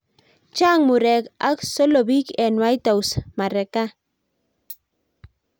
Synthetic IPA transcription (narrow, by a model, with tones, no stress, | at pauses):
t͡ʃa˦ŋmʊ˨ɾɛ˨ka˦kso˦lo˨bi˦kɛ˨nwa˦jta˨wsma˨ɾɛ˨ka˦